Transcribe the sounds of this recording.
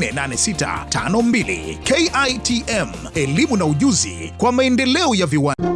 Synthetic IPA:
nɛnanɛsita̰tʰa̰nɔmbilḭkɛjajtʰiʔɛm | ɛlimunauʄuzḭkwamaɛndɛlɛɔjaviwa

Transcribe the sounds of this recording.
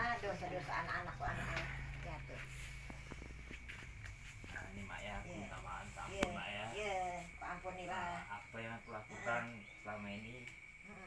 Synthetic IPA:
adosadosaʔanakanakkuanaʔajat̪o | a̰nima̰ʔjakt̪a̰ma̰antaa̰jənma̰ʔjajəkaampʊnːilaaapajaŋt̪əlakut̪an | səlamaini

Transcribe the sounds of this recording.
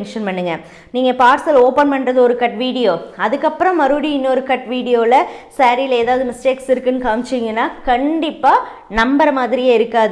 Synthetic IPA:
ŋkʂɐnpɐɳːɯŋɡɐ | niːŋɡɐpaːɾsɐloːpɐnpɐɳrɐðɯɔɾɯkɐʈʋiːɽɪjoːɐðɯkːɐpːɯɾɐ̃mːɐɾɯɽiɪnːɔɾɯkɐʈʋiːɽɪjoːɪlɐsɐɾɪlɐeːðaːʋðɯmɪsʈeːksɪɾɯkːɯnːɯkaːmɪt͡ʃːiŋɡɐnːaːkɐɳɖɪpːaː | nɐmbɐɾɐmaːðɪɾɪjaːɪɾɯkːaːðɯ

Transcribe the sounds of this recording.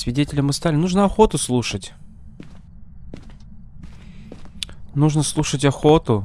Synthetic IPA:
sʲvʲɪdʲetʲɪlʲɪmɨst̪alʲɪnuʐnəɐxo̞t̪ʊslˠuʂətʲ | nuʐnəslˠuʂətʲɐxot̪ʊ

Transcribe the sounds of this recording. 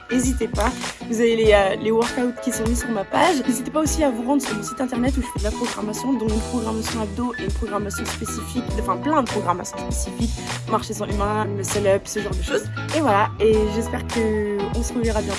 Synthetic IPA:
ezit̪epavuzaveleølewœʁkawt̪kʲisɔ̃misyʁmapaʒnezit̪epaosiavuʁɑ̃d̪ʁəsyʁmɔ̃sit̪ɛ̃t̪ɛʁnɛt̪uʒəfɛd̪əlapχɔɡʁamasjɔ̃d̪ɔ̃kynpχɔɡʁamasjɔ̃ab̚d̪oʔenpχɔɡʁamasjɔ̃spesifikd̪ɑ̃fɛ̃plɛ̃d̪əpχɔɡʁamasjɔ̃spesifikmaʁʃesɑ̃ʔymɛ̃məsɛlœpsəʒɑ̃ʁd̪əʃoz | evwalaeʒɛspɛʁkəɔ̃səʁuvɛʁabjɛ̃

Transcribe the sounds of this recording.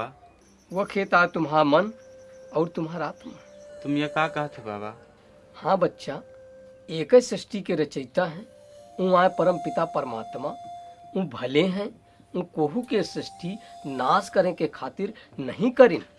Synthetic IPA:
ʋəkʰeːt̪aːt̪ʊmɦaːɾmɐnɔːɾt̪ʊmɦaːɾaːt̪mət̪ʊmjakaːkɐɦət̪ʰɛbaːbaː | hãːbətːʃa | eːksɾɪsʈikeɾɐt͡ʃəɪt̪aɦɛ̃ | ũːãːepɐɾəmpɪt̪apəɾəma̰ːt̪maũbʱɐleɦɛ̃ | ũːkoːɦukesɾɪsʈʰinaːskəɾẽkekʰaːt̪ɪɾnəɦĩkəɾɪn

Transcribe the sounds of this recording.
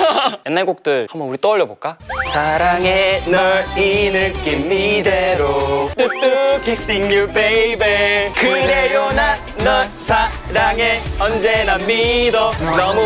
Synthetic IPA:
jenːaɭɡok̚t͈ɯɭhambʌnuɾit͈ʌʌɭːʌboɭk͈asʰaɾaŋenʌinɯɭk͈imːid̪eɾot͈ɯt͈ɯpis͈iŋɲubeibekɯɾejona | nʌsʰa | ɾaŋeʌnd͡ʑenamːidonʌmu

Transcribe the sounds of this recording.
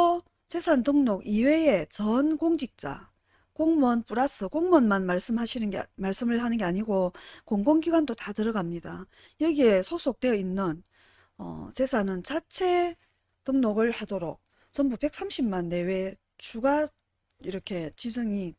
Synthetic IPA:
o | t͡ɕe̞sʰantɯŋnoɡiwe̞et͡ɕʌnɡoŋd͡ʑik̚t͡ɕ͈a̰ | koŋmʌnpuɾas͈ʰɯkoŋmʌnmanmaɭs͈ɯmɦaɕʰinɯmaɭs͈ɯmɯɭɦanɯnɡe̞aɲiɡokoŋɡoŋɡiɡwandotatɯɾʌɡamɲida | jʌɡie̞sʰosʰok̚t͈we̞jʌinːɯn | ʌ̰t͡ɕe̞sʰanɯnt͡ɕat͡ɕʰe̞ | tɯŋnoɡɯɭhadoɾok̚ | t͡ɕʌnbube̞k̚s͈amɕʰimmanːe̞we̞ | t͡ɕuɡa | iɾʌkʰe̞t͡ɕid͡ʑɯŋi

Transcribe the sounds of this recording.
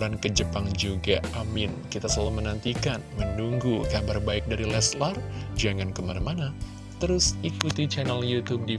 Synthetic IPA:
ɾankəd͡ʒəpaŋd͡ʒuɡaamɪnkit̪asəlalumənant̪ikanmənuŋɡukabarbaɪk̚daɾilɛslard͡ʒaŋankəmanamana | t̪əɾʊsikut̪it͡ʃɛnɛljut̪ub̚di

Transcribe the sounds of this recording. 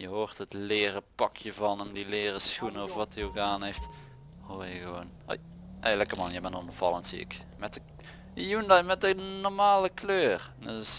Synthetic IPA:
jəɦoːrtɦətlɪːrəpɑkʰjəvɑnəmdilɪːrəsxunəɔfʋɑtioɣədaːnɦejft | hoːɹjəɣəʋon | ḛj | ʔɛləkəmɑnjəbɛnɔnɔfɑ̰lˠəntsḭɪ̰k | mɛtə | jundamɛt̚dənɔɹmaːləkløːr | dəs

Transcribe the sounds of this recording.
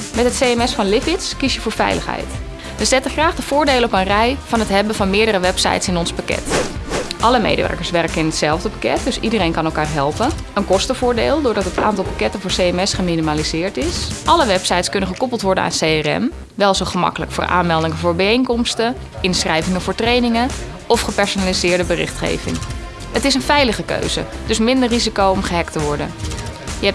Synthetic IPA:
mɛtɦətsejɛmɛsfɑnlɪfɪtskisjəvʊːɹfɛ̰jləxɦɛ̰jt | ʋəzɛtəxraːχdəfʊːɹdeːləɔpənrɛjfɑnətɦɛbəvɑnmɪːɹdəɾəʋɛpsa̰jtsɪnɔnspakɛ̰t | ʔɑləmḛjdəʋɛ̰ɹkəɹsʋɛrkəɪnɦətsɛlˠvdəpḁkɛ̰t̚d̥øsidərejnkɑnɛlˠkaːrɦɛlˠpən | ənkɔstəvʊːɹdḛːlˠdʊːɹdɑtəta̰ːntɑlˠpakɛtəfʊːɹseɛmɛsχəminimalizɪːɹtɪsʔɑləʋɛpsɑjtskɵnənχəkɔpəlˠtʋɔɹdəna̰ːsejɛrɛ̰m | ʋɛlˠzoχəmɑ̰kələ̰kfʊːɹʔa̰ːnmɛlˠdɪŋəvʊːɹbɛejnkɔmstə | ʔɪnsχrɛjvɪŋəv̥ʊːɹtrejnɪŋə | ɔfχəpɛɹsonaːlizɪːɹdəbərɪ̰χtχḛjvɪ̰ŋ | ətɪs̬ənvɛjləχəkø̰ɥzə̰d̥ɵsmɪndərːizikowɔmχəɦɛktəʋɔɹdə̰njəɛp̚

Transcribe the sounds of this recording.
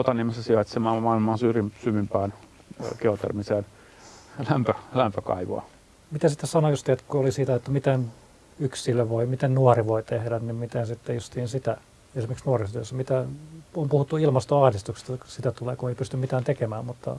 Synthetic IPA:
ot̪ɑniemesæsiɑt̪semɑmɑilmɑːnsyrimsyʋympæːn | keot̪ḛrmiseːn | læmpølæmpøkɑ̰iʋo̰ɑ̰ | mit̪æsit̪ːesɑnojust̪iːet̪kuolisiːt̪ɑjet̪ːumit̪en | yksilːøʋoimit̪ennuɑriʋoit̪ehdænnimmit̪ensit̪ːejust̪iːnsit̪æ | esimerkiksnuɑrist̪yø̰sːæmit̪æompuhut̪ːuilmɑst̪oɑhdist̪ukse̥st̪ɑsit̪æt̪uleːkueipyst̪ymit̪æːnt̪ekemæːmmut̪ːɑ̰

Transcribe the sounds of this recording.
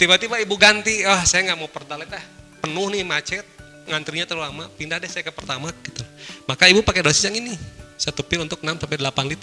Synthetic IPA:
t̪ibat̪ibaibuɡant̪iwahsajaŋɡaʔmaupərd̪alɛt̪ahpənʊhnimat͡ʃɛt̪̚ | ŋant̪ɾiɲat̪əɾulamapindahdɛhsajakəpərt̪amaɡit̪umakaibupakɛdosiaŋinisat̪upɪlunt̪ʊk̚namsampɛdəlapanlit̪

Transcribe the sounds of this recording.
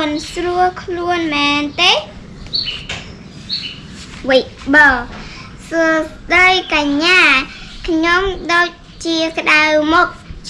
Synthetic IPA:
nsruəlkʰluənmɛːnt̪eː | ʋɨj | ɓɑː | suəsɗəjkaɲːaːkʰɲomɗoːc̚ | t͡ɕiəkə̆ɗawmɔk̚

